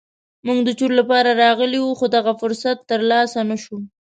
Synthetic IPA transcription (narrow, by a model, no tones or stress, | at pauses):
muɡd̪ət͡ʃuɾlapɑɾaɾɑɣəliwuxod̪aɣafʊɾsat̪ːəɾlɑsanaʃu